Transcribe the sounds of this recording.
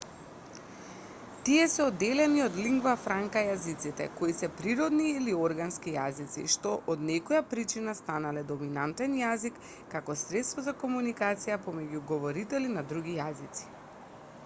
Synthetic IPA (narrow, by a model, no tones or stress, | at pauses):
t̪iɛsɛɔd̪ːɛlɛniɔd̪liŋɡvafɾaŋkajazit̪sit̪ɛ̰koisɛpɾiɾɔd̪niːliɔɾɡanskijazit̪sḭʃt̪ɔʔɔd̪nɛkɔjapɾit͡ʃinast̪analɛd̪ɔminant̪ɛnjazikː | akɔsɾɛt̪st̪vɔzakɔmunikat̪sijapɔmɛɟuɡɔvɔɾit̪ɛlinad̪ɾuɡijazit̪si̥